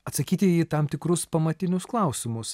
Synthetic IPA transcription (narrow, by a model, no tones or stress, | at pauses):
ɐt̪sɐkʲiːt̪ʲɪiːt̪ɐmt̪ʲɪkɾʊspɐmɐt̪ʲɪnʲʊsklˠɐˑʊsʲɪmʊs